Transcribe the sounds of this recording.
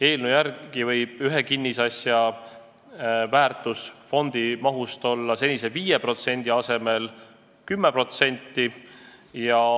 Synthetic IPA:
e̞ːlnujæɾɡ̥ivɤ̞jb̥yɦe̞kinːisɑsjɑ | væːrt̪ˑusfo̞nd̪̥imɑɦust̪o̞lːɑse̞nʲise̞viːjepro̞t̪se̞nʲd̪̥iɑse̞me̞l | kymːepro̞t̪se̞nʲt̪ːˑi | jɑ

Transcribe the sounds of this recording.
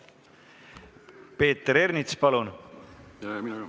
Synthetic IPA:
pe̞ːt̪ːɾernit̪spɑlunjmin

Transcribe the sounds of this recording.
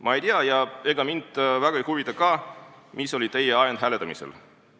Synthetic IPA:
mʔɑejt̪iɑjɑe̞ɡ̥ɑmind̪̥væɡ̥ɑihuvit̪ːɑkɑː | mʔiso̞lʲit̪e̞jeɑjend̪̥ɦæle̞t̪ːˑɑmḭsḛl

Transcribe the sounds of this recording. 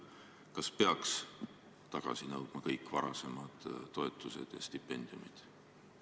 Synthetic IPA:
kɑspeɑks | t̪ɑɡ̥ɑ̰sinɤwd̪̥mɑkɤjkːˑvɑɾɑse̞mɑd̪̥t̪ːo̞et̪ːˑuse̞̰d̪̥jɑ̰st̪ipːe̞nʲd̪̥iumid̪̥

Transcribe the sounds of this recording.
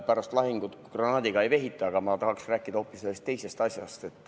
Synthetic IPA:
pæɾɑst̪lɑɦiŋɡ̥ut̪ɡ̥rɑnɑːd̪iɡ̥ɑe̞jve̞ɦit̪ːˑɑɑɡɑmɑt̪ɑɦɑksræːkːˑid̪ɑo̞ːpːˑisselːest̪ːe̞jse̞st̪ɑsʲjɑst̪e̞t̪ːˑ

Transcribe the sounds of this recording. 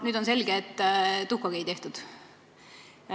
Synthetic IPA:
nyːd̪onse̞lɡeːt̪ːt̪ukɑɡ̥eit̪e̞ht̪ud̪̥

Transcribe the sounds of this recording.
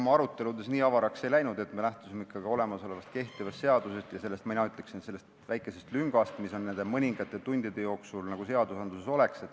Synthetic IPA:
omɑɑɾut̪ːˑe̞lud̪e̞sniːɑvɑɾɑkse̞jlæjnud̪e̞t̪ːmelæht̪u̥simeikːɑɡio̞le̞mɑso̞le̞vɑst̪̚ke̞ht̪ivɑst̪seɑd̪̥use̞st̪jɑse̞lːe̞st̪mɑinɑyt̪ːˑleksinse̞lːe̞st̪væjkˑːe̞se̞st̪lyŋɡ̥ɑst̪miso̞nːe̞nd̪̥e̞mɤnʲiŋɡ̥ɑt̪ːˑe̞t̪unʲd̪̥id̪̥e̞jo̞ːksulnɑɡ̥use̞ɑd̪̥usɑnd̪̥use̞so̞le̞kse̞t̪ːˑ

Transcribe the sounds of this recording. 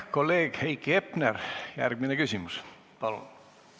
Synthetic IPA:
ko̞lːe̞ːɡ̥hejkːiepnerjæ̰rɡ̥minekysʲimus | pɑlṵn

